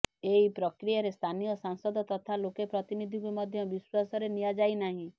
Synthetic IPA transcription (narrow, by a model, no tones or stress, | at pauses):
eɦipɾɔkɾijaɾest̪ʰanijɔsaŋsɔd̪ɔt̪ɔt̪ʰalokepɾɔt̪inid̪ʱĩkumɔd̪ʱjɔbiswasɔɾenijad͡ʒajnaɦĩ